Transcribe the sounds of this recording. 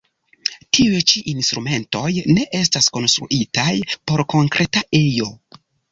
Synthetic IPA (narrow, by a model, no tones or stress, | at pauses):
tʰiet͡ʃiʔinstɾume̞nto̞jne̞ʔe̞s̬tasko̞nstɾṵʔitajpo̞ɾko̞ŋkɾe̞tae̞jo̞